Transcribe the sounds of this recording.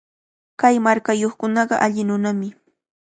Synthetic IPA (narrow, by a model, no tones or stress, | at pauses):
kajmaɾkajoχkʊnɑɢɑʔaʎɪnʊnamɪ